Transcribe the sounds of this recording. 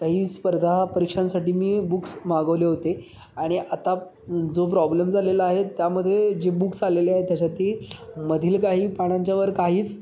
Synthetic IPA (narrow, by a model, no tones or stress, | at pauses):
kaɦiːspəɾd̪ʱapəɾikʂãnsaʈiːmiːbuksmaɡəʋleɦot̪e | aɽ̃iʔat̪a | d͡zopɾɔblemd͡zʱalelaaɦet̪ːjaməd̪ʱːjed͡ʑebuksaleleaɦet̪jat͡ɕat̪iməd̪ʱiːlkaɦiːpaɽ̃ãɲt͡ɕjaʋəɾkaɦiːt͡s